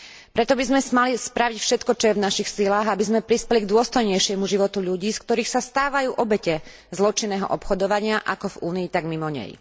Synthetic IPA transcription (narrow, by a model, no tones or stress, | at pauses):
pɾɛt̪ɔbizmɛsmalispɾaʋicfʃɛt̪kɔt͡ʃɔjɛvnaʃixsilaːɣabizmɛpɾispɛliɡd̪ʊɔst̪ɔjɲɛjʃɪɛmuʒiʋɔt̪uʎuɟiːskt̪ɔɾiːxsast̪aːʋajuːʔɔbɛcɛ | zlɔt͡ʃinːɛːɦɔ̰ʔɔpxɔd̪ɔʋaɲɪaʔakɔvuːniːt̪aɡmimɔɲɛ̰j